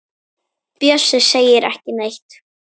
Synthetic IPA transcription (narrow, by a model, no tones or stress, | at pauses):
pjœsʏseːjɪɾʔɛ̰hcɪnejht̪